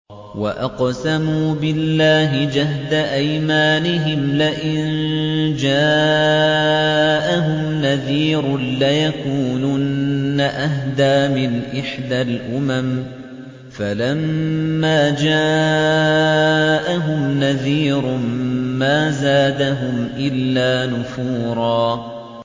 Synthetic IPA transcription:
wa̰ʔɑqsamuːbɪlːaːɦɪd͡ʒahd̪aʔajmaːnɪɦɪmlaʔɪnd͡ʒaː | ʔaɦʊmmnaðiːɾlajakuːnuːnːaʔaɦd̪aːmɪnʔɪħd̪alʔʊmam | falamːaːd͡ʒaː | ʔaɦʊmnaðiːɾmaːzaːd̪aɦʊmʔɪlːaːnʊfuːɾˤɑː

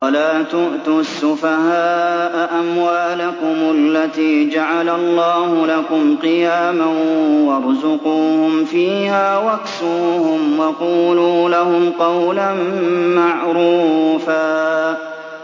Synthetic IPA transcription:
walaːt̪ʊʔt̪ʊsːʊfahaːʔaʔamwaːlakʊmalːat̪iːd͡ʒaʕalalˤːɑːhʊlakʊmqɨjaːmawɑɾˤzʊquːhʊmfiːhaːwaksuːhʊmwɑquːluːlahʊmqɑwlanmaʕɾuːfaː

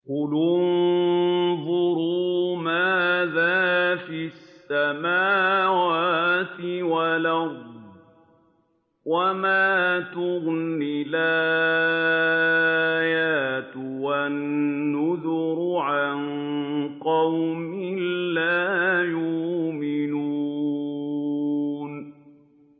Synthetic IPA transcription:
kʊlʊnn | ðˤʊɾumaːðaːfissːamaːwaaːt̪ɪwalaɣ | wamaːt̪ʊɣnɪlaː | jaːt̪wanːʊðʊɾʊʕann | qɑwmɪlaːjʊmɪnuː | n

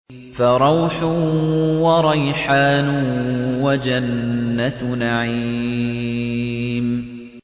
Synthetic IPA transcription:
faɾˤɑwħʊwɑɾˤɑjħaːnʊwad͡ʒanːanaʕi | m

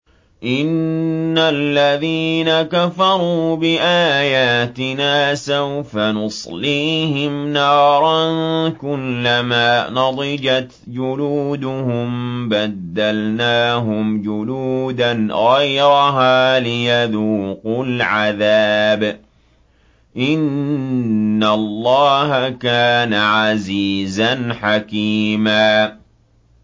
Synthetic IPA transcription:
ʔɪnːalːaðiːnakafɑɾˤuːbɪʔaːjaːt̪ɪnaːsawfanʊsˤliːhɪmnɑːɾˤɑnkʊlːamaːnɑd̪ˤɪd͡ʒat̪ | d͡ʒʊluːd̪ʊhʊmbad̪ːalnaːɦʊmd͡ʒʊluːd̪anɣɑjɾɑɦaːlɪjaðuːqʊlʕaðaːb | ʔɪnː | alˤːɑːhakaːnaʕaziːzanħakiːmaː

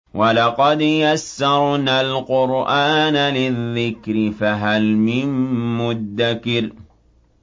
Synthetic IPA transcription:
wʔalɑqɑd̪jasːɑɾˤnalqʊɾʔaːnalɪðːɪkɾɪfaɦalmɪnmʊd̪ːakɪɾ

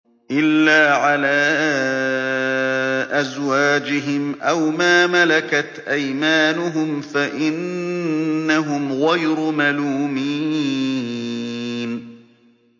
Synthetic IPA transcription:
ʔɪlːaːʕalaː | ʔazwaːd͡ʒɪɦɪmʔawmaːmalakat̪ʔajmaːnʊɦʊmfaʔɪnː | aɦʊmɣɑjɾʊmaluːmiː | n

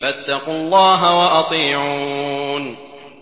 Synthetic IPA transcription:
fat̪ːɑqʊlˤːɑːɦawaʔɑt̪ˤiːʕuːn

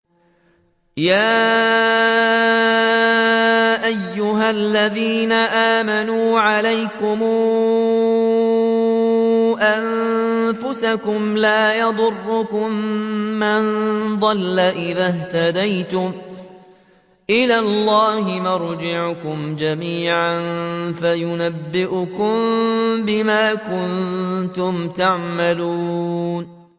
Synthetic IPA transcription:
jaː | ʔajːʊɦalːaðiːnaʔaːmanuːʕalajkʊmuː | ʔanfʊsakʊmlaːjɑd̪ˤʊrːʊkʊmːand̪ˤɑlːaʔɪðaht̪ad̪ajt̪ʊm | ʔɪlaːlˤːɑːhɪmɑɾˤd͡ʒɪʕkʊmd͡ʒamiːʕanfajʊnabːɪʔʊkʊmbɪmaːkʊnt̪ʊmt̪aʕmaluːn

